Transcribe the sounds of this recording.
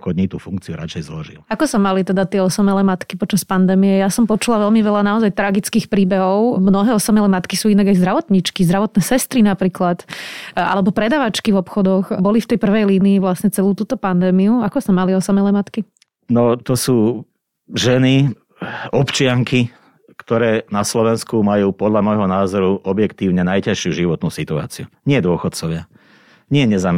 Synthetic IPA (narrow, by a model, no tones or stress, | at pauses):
kɔɲit̪uːfuŋk̚t͡siuɾa̰t͡ʃɛjzlɔʒḭlakɔsamalit̪ɛd̪at̪ɪɛɔsɔmɛlɛːmat̪kipɔt͡ʃaspand̪ɛːmijɛjasɔmpɔt͡ʃulaʋɛlmiʋɛlanaɔzajt̪ɾaɡit͡skiːxpɾiːbɛɦɔʊmnɔɦɛːɔsamɛlɛmat̪kisuːinaɡajzd̪ɾaʋɔt̪ɲit͡ʃkizd̪ɾaʋɔt̪nɛːsɛst̪ɾinapɾiːklat̪a̰lɛbɔpɾɛd̪aʋat͡ʃkivɔpxɔd̪ɔxbɔlift̪ɛjpr̩ʋɛjliːniːʋlasɲɛt͡sɛluːt̪uːt̪ɔpand̪ɛːmiuakɔsamaliɔsamɛlɛːmat̪ki | nɔt̪ɔsuː | ʒɛni | ɔpt͡ʃɪaŋki | kt̪ɔɾɛːnaslɔʋɛnskumajuːpɔd̪ʎamɔjɦɔnaːzɔɾuʔɔbjɛkt̪iːʊɲɛnajcaʃɪuʒiʋɔt̪nuːsit̪ua̰ːt͡siuɲɪɛd̪ʊɔxɔt̪̚t͡sɔʋɪa | ɲɪɛɲɛzaːm